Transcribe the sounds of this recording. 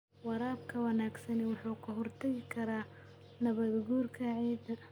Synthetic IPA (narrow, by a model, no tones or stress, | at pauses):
wɑɾaːbkʰɐwɑnaːɡsɐnɛwɑħuːkʰɐɦɔrt̪ʰɐɣɪkʰɐɾaː | nɐβɐðɡuːrkʰɐʕiːd̪